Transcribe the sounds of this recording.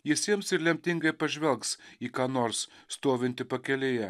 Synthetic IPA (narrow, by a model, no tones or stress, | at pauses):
jɪsʲiɛmsɪɾlʲɛmʲt̪ʲɪŋɡɐɪpɐʒʲʋʲɛlˠksiːkɑːnoːɾsst̪oːʋʲɪnʲt̪ʲɪpɐkʲɛlʲejɛ